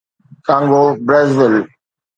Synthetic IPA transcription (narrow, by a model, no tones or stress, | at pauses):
kãːŋɡobɾezʋɪl